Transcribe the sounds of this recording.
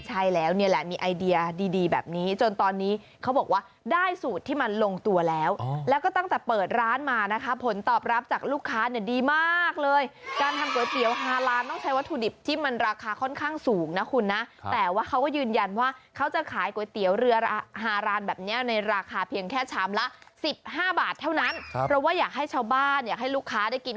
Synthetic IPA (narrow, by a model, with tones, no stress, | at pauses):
t͡ɕʰa˥˩jlɛː˦˥wni˥˩əlɛ̰˨˩miː˧˩ʔa˧jdi˧ɐdiː˧diː˧bɛ̰ː˨˩p̚niː˦˥t͡ɕo˧nt̪ɔː˧nːiː˦˥ | kʰa˦˥wbɔː˨˩k̚waː˥˩daː˥˩jsuː˨˩t̪ʰːiː˥˩ma˧nlo˧ŋt̪u˧ɐlɛː˦˥wlɛː˦˥wkɔː˥˩t̪a˥˩ŋt̪ɛː˨˩pɤː˨˩t̪̚ɾaː˦˥nmaː˧na˦˥kʰa˦˥pʰo˩˦nt̪ɔː˨˩p̚ɾa˦˥p̚t͡ɕaː˨˩k̚luː˥˩kʰːaː˦˥ni˥˩ədiː˧maː˥˩k̚lɤː˧jkaː˧nt̪ʰa˧mku˨˩˦jt̪i˩˦əwɦaː˧ɾaː˧nt̪ɔ˥˩ŋt͡ɕʰa˦˥jwa˥t̪ʰːuː˧di˨˩p̚t̪ʰiː˥˩ma˧nɾaː˧kʰaː˧kʰɔ˥˩nkʰaː˥˩ŋsuː˩˦ŋna˦˥kʰu˧nːa˦˥ʔt̪ɛː˨˩waː˥˩kʰa˦˥wkɔː˥˩jɯː˧nja˧nwaː˥˩kʰa˦˥wt͡ɕa˨˩kʰaː˩˦jku˨˩˦jt̪i˨˩˦əwɾɯ˧ɐa˧ɦaː˧ɾaː˨˥nbɛː˨˩p̚ni˦˥ɐna˧jɾaː˧kʰaː˧pʰi˧əŋkʰɛː˥˩sʰaː˩˦mla˦˥ʔsi˨˩p̚ɦaː˥˩baː˨˩t̪ʰːa˥˩wna˦˥npʰɾɔ˦˥waː˥˩jaː˨˩k̚ɦa˥˩jt͡ɕʰaː˥˩wbaː˥˩njaː˨˩k̚ɦa˥˩jluː˥˩kʰːaː˦˥da˥˩jki˧n